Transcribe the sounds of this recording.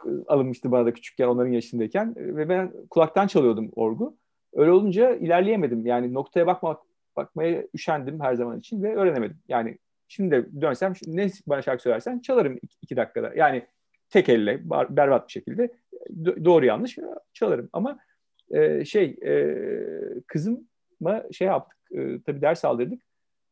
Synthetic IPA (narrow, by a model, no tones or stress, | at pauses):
kːa̰lˠɯnmɯʃt̪ɯbanad̪acʰy̥t͡ʃʰy̥c̚ʲcæo̞nˠaɾɯnjaʃɯsnd̪aicʰænvɛbænkʰulˠak̚t̪ʰant͡ʃʰalˠɯjo̞d̪umo̞ɾɡu | øːjlʲɛo̞lˠund͡ʒailʲæɾlʲejeme̞d̪imjaːnɪno̞k̚t̪ʰajabak̚maa | ba̰k̚majayʃænd̪imɦæɾzamanit͡ʃʰinvɛø̞ːɾe̞neme̞d̪imjaːnɪ̰ | ʃimd̪id̪ɛd̪ønsæmʃnɛbanaʃalkɯsølʲæɾsænt͡ʃʰalˠaɾɯmiicʰid̪akːad̪a̰jʔaːnɪ | t̪ʰɛcɛlʲːɛba̰bæɾbat̪̚biʃe̞cʰilʲd̪ɛ | d̪o̞ːɾuja̰nːˠɯʃt͡ʃʰalˠaɾɯma̰ma | ɛːʃejɛ̰ | kʰɯzɯmː | aʃejap̚t̪ʰɯ̥k̚ɯ̰ːt̪ʰabiːd̪æɾsa̰lˠd̪ɯɾd̪ɯk̚